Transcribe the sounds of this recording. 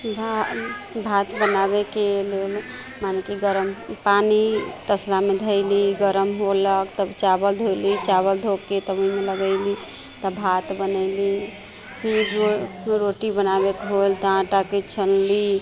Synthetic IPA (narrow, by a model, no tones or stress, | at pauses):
bʱabʱat̪bənabekelel | manekiɡəɾəmpanit̪əslamed̪ʱəɪliɡəɾəmɦoləkt̪əbt͡ʃabəld̪ʱojlit͡ʃaβəld̪ʱokket̪əboimeləɡəɪli | t̪əbʱat̪bənəɪli | pʰiɾo | ɾoʈibənabekeɦolt̪ɔãʈaket͡ʃʰəlli